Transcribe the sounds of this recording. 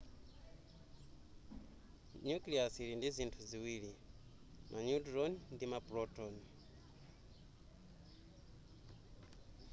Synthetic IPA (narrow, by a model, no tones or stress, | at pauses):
ɲukliasiɾindizintʰuziwili | mʔaɲudɾɔnndimapɾɔtɔni